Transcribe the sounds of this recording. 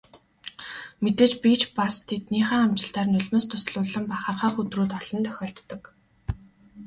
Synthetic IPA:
met̪eːt͡ɕpit͡ɕpast̪ʰet̪niːχaːamt͡ɕɪ̆ɬt̪aːrnɵɮmeːst̪ʰʊsɮʊːɮə̆mpaχăːrχaːχut̪ruːt̪ɔɮ̥ɞ̆nt̪ʰœ̥xʲɔːɬt̪ːɞ̆k

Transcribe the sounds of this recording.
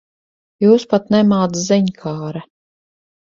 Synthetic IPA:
juːspat̪nɛmaːd̪zɛɲkʰaːɾɛ

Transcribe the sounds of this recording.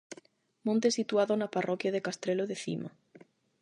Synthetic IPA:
mõnt̪esit̪uaðonaparʔɔkjaðekast̪ɾeloðeθḭma

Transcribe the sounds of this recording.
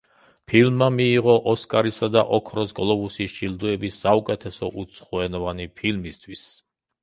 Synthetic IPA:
pʰilmːamiːʁɔʔɔskʼaɾisad̪aʔɔkʰɾɔsɡɔlˠɔbusisd͡ʒild̪uɛbisːaukʼɛt̪ʰɛsɔʔut̪sʰχuɛnɔvanipʰilmist̪ʰwis

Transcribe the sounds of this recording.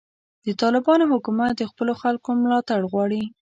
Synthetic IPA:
d̪̥ət̪ɑlɪbɑnohʊkumat̪̚d̪əxpəloxalkomlɑt̪aɽɣwɑɽi

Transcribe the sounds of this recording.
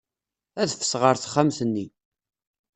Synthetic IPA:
æðθə̥sʁəɾθə̥χːamsənːi

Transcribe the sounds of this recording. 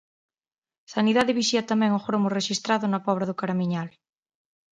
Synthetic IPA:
saniðaðeβiʃiat̪amɛ̃ŋoxɾomoreʃist̪ɾaðonapɔβ̞ɾaðokaɾamĩɲal

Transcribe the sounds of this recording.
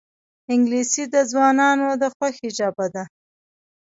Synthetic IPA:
ɪŋɡlisid̪əzwɑnɑnod̪əxwaxɪd͡ʒɑbad̪a

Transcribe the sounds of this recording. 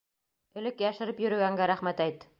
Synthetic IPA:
ɵ̆lɘkjæʃɘ̆ɾɘpjɵ̆ɾɵ̆ɡæŋɡæɾæχmæt̪æjt̪

